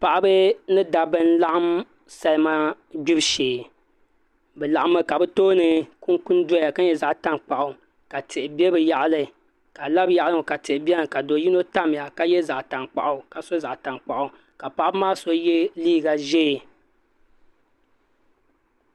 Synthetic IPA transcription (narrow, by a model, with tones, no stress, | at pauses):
pa˨ʔa˦bɨ˦nɨ˦da˨bɨ˦n̩˦la˦ʔa˦m | sa˨lma˦ | ɡ͡bi˦bʃeː˨ | bɛ˨la˨ʔa˦mɨ˦ka˨bɨ˦toː˦nɨ˨ku˦nku˦ndo˦a˨ka˦ɲɛ˦˨za˨ʔta˦ŋk͡pa˨ʔʊ˨ | ka˨tɪ˨ʔɪ˨bɛ˦bɨ˨ja˨ʔlɨ˨ | ka˨la˦bja˨ʔa˦lo˨ka˨tɪ˨ʔɪ˨bɛ˦nɨ˨ka˨do˨˦ji˦no˦ta˦mɪ˨a˨ka˨jɛ˦za˨ʔta˨ŋk͡pa̰˨ʔʊ˨ka˨so˦za˨ʔta˨ŋk͡pa˨ʔʊ˨ | ka˨pa˨ʔa˦bɨ˦maː˦so˦jɛ˦liː˦˨ɡa˨ʒɛ˦˨